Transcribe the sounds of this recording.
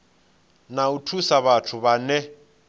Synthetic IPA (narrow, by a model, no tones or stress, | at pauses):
nautʰusaβatʰʊβanɛ